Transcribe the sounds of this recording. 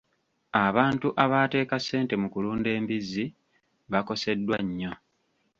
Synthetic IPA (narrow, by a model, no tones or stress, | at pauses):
aβaːntuʔaβate̞ːkase̞ːnte̞mukuluːnde̞ːmbizi | βako̞se̞dːwaɲːo̞